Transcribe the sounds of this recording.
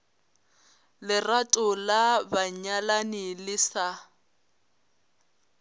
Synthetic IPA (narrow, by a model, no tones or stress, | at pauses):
lɪratʼʊlabaɲalanɪlɪsa